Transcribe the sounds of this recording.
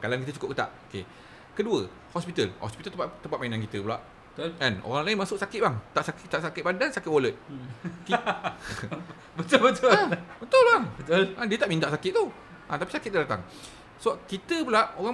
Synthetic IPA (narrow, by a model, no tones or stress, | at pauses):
kalankit̪ət͡ʃukʊp̚kət̪a̰ʔoke | kəduə | hɔspit̪əlhɔ̰spit̪ət̪t̪əmpat̪̚mainãnkit̪əpula̰ʔ | bət̪ʊlɛno̰ɣaŋlainmasʊʔ̚sakɪt̪̚baŋt̪aʔsakɪt̪aʔsakɪt̪̚bandansakɪt̪̚woləʔ̚ki | bət̪ʊlbət̪ʊlbət̪ʊlbaŋbət̪ʊlãdiət̪aʔmĩnt̪aʔsakɪt̪̚t̪u | ʔãt̪apisakɪt̪̚ːadat̪a̰ŋ | soakit̪əpulaʔoɣa